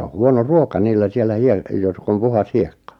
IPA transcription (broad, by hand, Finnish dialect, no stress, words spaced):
o huono ruokɑ niːlːæ sielːæ hie jotk om puhɑs hiekːɑ